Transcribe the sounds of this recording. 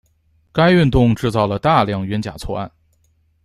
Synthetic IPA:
ka˥ɪy˥˧nt̪ʊ˥˧ŋʈ͡ʂɻ̩˥˧t͡sɑ˥˩ʊlə˩t̪a˥˧ljɑ˥˩ŋɥɛ˧˥nt͡ɕja̰˨˩t͡sʰwɔ˥˧a̰˥˩n

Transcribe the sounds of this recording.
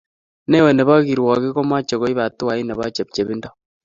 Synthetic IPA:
ne˦we˨ne˨βa˦ɣi˨ɾwa˨ɣi˦ko˦ma˦t͡ʃe˨ɣo˦i˦βa˨tu˦wa˨i˦ne˨βa˦t͡ʃe˨p̚t͡ʃe˨βi˦ndo˦

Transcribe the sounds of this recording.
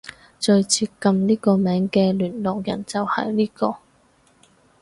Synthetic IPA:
t͡ʃɵ˧ɥt͡sʰiː˧tkɐ˧mniː˥kɔː˧mɛː˨˥ŋkɛː˧lyː˨˩nlɔː˨k̚jɐ̰˨˩nt͡sɐ˨whɐ̰˨˩jliː˥kɔː˧

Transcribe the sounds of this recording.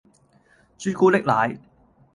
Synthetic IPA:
t͡ʃyː˥kuː˥lɪ˥k̚la̰ː˨j

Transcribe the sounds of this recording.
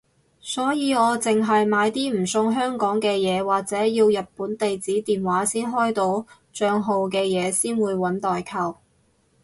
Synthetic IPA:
sɔː˨˥jiː˨˧ɔː˨˧t͡sɪ˨ŋɦɐ˨jmaː˨˧jt̪iː˥m̩˨˩sʊ˧ŋɦœː˥ŋkɔː˨˥ŋkɛː˧jɛː˨˧waː˨k̚t͡sɛː˨˥jiː˧wjɐ˨t̚puː˨˥nt̪e˨jt͡siː˨˥t̪iː˨nwaː˨˥siː˥nɦɔː˥jt̪o˧˥w | t͡ʃœː˧ŋɦo˨˧wkɛː˧jɛː˨˧siː˥nwuː˨˧jwɐ˨˥nt̪ɔː˨jkʰɐ˨˩w

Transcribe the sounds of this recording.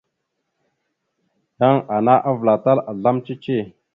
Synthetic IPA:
ja˦ŋa˨na˦ʔa˦vla˨ta˦la˨ɮa˦mt͡ʃi˦t͡ʃi˦˨

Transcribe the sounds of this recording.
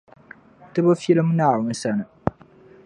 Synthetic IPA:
tɨ˦ba˦fi˦lɨ˦m˦naː˦˨ʊ˨˦n̩˦sa˦nɨ˨

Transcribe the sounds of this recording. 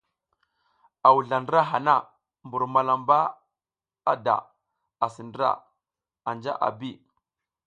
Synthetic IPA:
a˨wu˨ɮa˨ndɾa˦ɦa˨na˦˨ | mbu˨ɾma˨la˨mba˦ | a˦da̰˨ | a˨si˨ndɾa̰˦ | a˨nd͡ʒa̰˦ʔa̰˨bi˦˨

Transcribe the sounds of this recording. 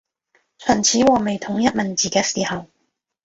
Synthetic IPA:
t͡ʃʰœ˨˩nt͡sʰiː˨˥wɔː˨˧me˨jt̪ʰʊ˨˥ŋjɐ˥t̚mɐ˨nt͡siː˨kɛː˨˥siː˨hɐ˨w

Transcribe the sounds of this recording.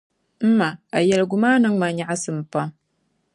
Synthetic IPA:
m̩˦ma˨a˨ja˨lɡu˨ma˦nɨ˦ŋma˨ɲa˨ʔa˦sɨ˨m˨pa˦m

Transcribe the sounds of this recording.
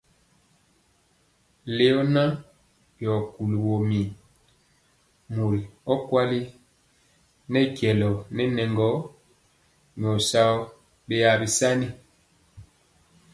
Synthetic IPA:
le˦ɔ˦na˦ | bjɔ˨ku˨lu˨wo˨mi˨n | mu˨li˨ɔ˦kwa˦li˦ | nɛ˦kjɛ˨lɔ˨nɛ˦nɛ˨ŋɡɔ˨˦ | ɲ˨ɔ˨sa˦ɔ˦ | be˦ja˨bi˨sa˦ni˦

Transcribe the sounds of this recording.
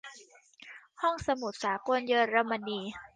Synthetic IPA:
hɔ˥˩ŋsa˧mu˨˩t̪̚saː˩˦ko˧njɤː˧ɾa˧mːa˧niː˧

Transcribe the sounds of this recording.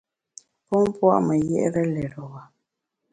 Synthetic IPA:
pɔ˦m˦pwa̰˦ʔmə˨jɛ̰˦ʔɾə˦lɛ˨ɾɔ˨wa˨

